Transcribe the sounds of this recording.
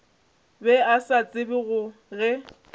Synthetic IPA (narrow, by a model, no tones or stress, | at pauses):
bɛasat͡sʼɪbɪɣʊ | ɣɛ